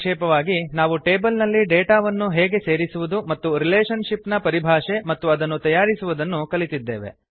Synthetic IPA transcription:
ʂeːpɐʋaːɡinaːʋuʈeːbɐlnɐlːiɖeːʈaːʋɐnːuɦɛːɡe̞seːɾisuʋud̪umɐt̪ːuɾileːʂɐnʂipnɐpɐɾibʱaːʂe̞mɐt̪ːuɐd̪ɐnːut̪ɐjaːɾisuʋud̪ɐnːukɐlit̪id̪ːe̞ːʋe̞̰

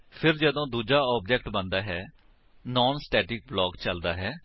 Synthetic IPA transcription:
pʰɪɾd͡ʒəd̪õːd̪uːd͡ʒaːɔːb̚d͡ʒɛkʈbə̃nd̪aːɦɛː | nɔːnsʈɛːʈɪk̚blɔːkt͡ʃəld̪aːɦɛː

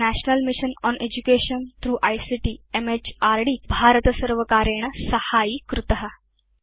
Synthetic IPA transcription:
næɕnəlmiɕənɔnʔed͡ʑukeɕənt̪ɾuːʔajsiʈiːemet͡ɕaɾɖiːbʱaɾət̪əsəɾʋəkaɾeɳəsəhaiːkɾut̪əɦa

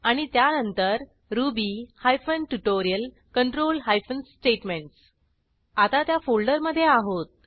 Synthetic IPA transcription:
aɽ̃it̪janənt̪əɾ | ɾubihajfənʈuʈoɾijəl | kəɳʈɾolɦajfənsːʈeʈmeɳʈs | at̪at̪jafolɖəɾməd̪ʱːjeaɦot̪̚

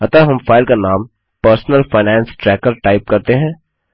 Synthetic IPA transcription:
ɐt̪aɦɐmfaːɪlkanaːm | pəɾsnəlfaːɪnɛ̃ːnsʈɾɛːkəɾʈaːɪp̚kɐɾt̪eɦɛ̃ː

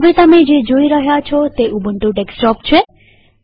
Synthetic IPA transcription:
ʋet̪əmed͡ʒed͡ʒoiɾəɦjat͡ʃʰɔt̪eʔubəɳʈũɖeksʈɔpt͡ʃʰe

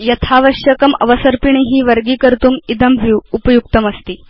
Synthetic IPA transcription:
jɐt̪ʰaʋəɕjəkəmə̰ʋəsəɾpiɳ̃eɦiːʋəɾɡiːkəɾt̪uːmid̪əmʋʱuupəjuk̚t̪əməst̪iː

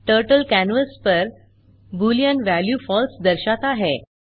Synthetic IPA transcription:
ʈəɾʈəlkænʋəspəɾ | bulijãnʋæljufɔlsd̪əɾɕat̪aɦe

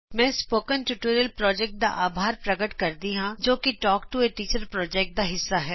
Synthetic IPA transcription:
mɛ̃ːspoːkənʈuʈoːɾjəlpɾɔːd͡ʒɛːk̚ʈ̚d̪a̰ʔaːbʱaːɾpɾɐɡəʈkɐɾd̪iɦãd͡ʒoːkiʈɔːkʈueʈiːt͡ʃəɾpɾɔːd͡ʒɛːk̚ʈ̚d̪aɦɪsːaɦɛː

